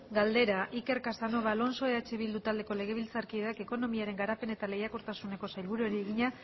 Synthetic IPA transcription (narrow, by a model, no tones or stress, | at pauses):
ɡald̪e̞ɾaʔike̞ɾkasano̞βalo̞nso̞eat͡ʃe̞βild̪ut̪ald̪e̞ko̞le̞ɣ̞e̞β̞ilt͡saɾkiðake̞ko̞no̞miaɾe̞ŋɡaɾape̞ne̞t̪ale̞jakoɾt̪asune̞ko̞sajlβuɾuɾieɣiɲa